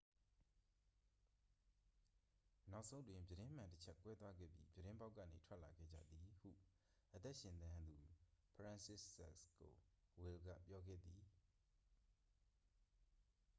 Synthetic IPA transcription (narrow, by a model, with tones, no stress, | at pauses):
na˦ʊʔsʰõ˦twɪ̃˦˨mbjəɾɪ̃˦m̥ã˨ntət͡ɕʰɛ˦kːwɛ˦t̪wa˦ɡɛ̰˦˨pjḭ˦bjəɾɪ̃˦mba˦ʊkːä̰˦˨nḛ˨tʰwɛ˦ʔla˨ɡɛ̰˦˨d͡ʑä̰˦˨d̪ði˨hṵ˦˨ | ʔət̪ɛ˦ʔʃɪ̃˨nt̪ã˦nd̪u˨pʰɹã˨nsɪ˦sɛ˦sko̰˨wɪ˨lɡä̰˦˨pjɔ˦ɡɛ̰˦˨d̪i˨